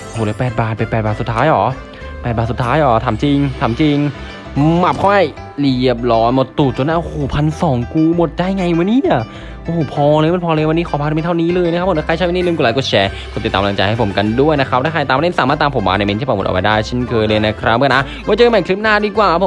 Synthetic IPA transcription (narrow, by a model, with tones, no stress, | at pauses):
hʰoː˨˩lɤː˧˦jpɛː˨˩t̪̚baː˨˩t̪̚pe˧npɛː˨˩baː˨˩t̪su˨˩t̪ʰːaː˦˥jʔɔː˩˦ | pɛː˨˩t̚baː˨˩su˨˩t̪ʰːaː˦˥jʔɔː˩˦t̪ʰaː˨˩˦mt͡ɕi˧ŋt̪ʰaː˨˩˦mt͡ɕi˧ŋ | ma˨˩p̚kʰɔ˥˩j | li˧˩əp̚lɔː˦˥nmo˨˩t̪ːuː˨˩t̪̚t͡ɕo˧nːʔa˧˥˨ʔo˧hoː˨˩pʰa˧nsɔː˩˦ŋkuː˧mo˨˩t̪̚t͡ɕa˧˩jŋa˧ju˨mː˧˥˦niː˧˥˩i˧˩ | ʔoː˧˨˩pʰɔː˧lɤː˧jma˧˥˩pʰɔː˧lɤː˧jwnːiː˦˥kʰɔː˨˩p̪ʰːt̪ʰa˥˩niː˦˥˩lɤː˧jna˥kʰa˦˥p̪ʰːa˥˧t͡ɕʰa˦˥˩m˧˥niː˧˥˨nkuː˧laː˨˦ku˧˩t͡ɕʰɛː˧kʰu˧t̪i˨˩t̪ːaː˧mla˧ŋt͡ɕa˧jha˥˩pʰo˩˦mka˧ndu˥˩əjna˦˥ɾa˦˥p̚daː˥˩kaː˧˩jt̪aː˧mle˥˩nsaː˨˦maː˥˩t̪ːaː˧pʰo˩˦mwa̰ː˧na˧˩me˧nt̪ʰi˥˩paː˧˩m˨˩tʔa̰˨˧wpa˧jdaː˥˩jt͡ɕʰe˥˩nkʰɤː˧jlɤː˧jna˦˧˩kʰɾa˦˥mː˧˨ʔa˦˧˥ | wɔː˧˦t͡ɕɤː˧ma˨˩kʰli˦˥p̚naː˥˩diː˧kwaː˨˩a˦˥pʰo˨˦